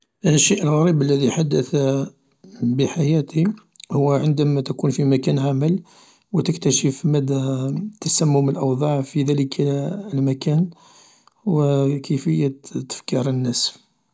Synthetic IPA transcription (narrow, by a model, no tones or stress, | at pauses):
ʔəʃːiʔəlɣæɾibəlːæðiħad̪ːəθ | bəħajæt̪i | hʊwːʕənd̪æmæt̪ækunfimækænʕaməl | wət̪əkt̪æʃəfmæd̪ːæt̪ːæsæmːʊməlʔɑwd̪ˤɑʕfiðæləkʰlmækæn | wəkʰəfəjːət̪ːə̥fkiɾənːæs